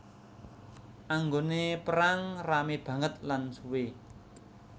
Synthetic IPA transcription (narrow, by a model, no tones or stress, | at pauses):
ʔaŋɡonepəɾaŋrameb̥ä̤ŋət̪̚lansuwe